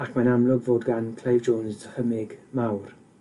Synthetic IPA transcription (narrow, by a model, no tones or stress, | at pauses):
akʰmanamlˠʊɡvoːdɡankʰl̥ejvd͡ʒoːnsdəhəmɪɡmawr